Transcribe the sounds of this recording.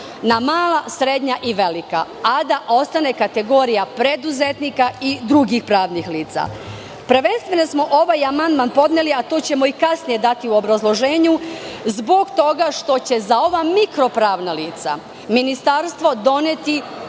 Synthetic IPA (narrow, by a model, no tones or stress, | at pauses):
namaːlˠasɾe̞d̪ɲaʔiʋe̞lika̰ | ad̪aʔo̞st̪ane̞kat̪e̞ɡo̞ːɾijapɾe̞d̪uzet̪nikaid̪ɾuɡixpɾaːʋnixliːt̪sa̰ | pɾʋe̞nst̪ʋe̞no̞smo̞ʔoʋajamand̪manpo̞d̪ne̞liat̪o̞ːt͡ɕe̞mo̞ikasnije̞d̪at̪iuo̞bɾazlˠo̞ʒe̞ːɲuzbo̞ɡt̪o̞ɡaʃt̪o̞t͡ɕe̞zao̞ʋamikɾo̞pɾaːʋnaliːt̪sa̰ | minist̪aɾst̪ʋo̞d̪o̞net̪i